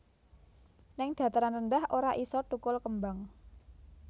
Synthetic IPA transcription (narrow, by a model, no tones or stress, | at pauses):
nɪŋd̪̥ä̤t̪aɾanənɖ̪ahʔoɾaʔisɔʈ̪ukʊlkəmbaŋ